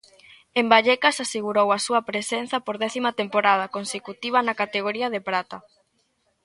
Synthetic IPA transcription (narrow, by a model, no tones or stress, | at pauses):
embaʎɛkasaseɣuɾowɐsuɐpɾesen̟θɐpoɾðɛθimɐt̪empoɾað̞ɐkonsekut̪iβɐnɐkat̪eɣoɾiɐð̞epɾat̪ɐ